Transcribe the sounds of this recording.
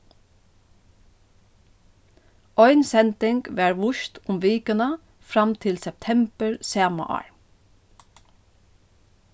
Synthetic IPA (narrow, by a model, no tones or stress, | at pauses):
ɔʏnsɛnt̪ɪŋkʋæɹʋʊʃt̪ʰʊmʋeːkənə | fɹɑmt̪ʰɪlsɛp̚t̪ʰɛmpəɹseːmʊ̰ʔɑ̰ɹ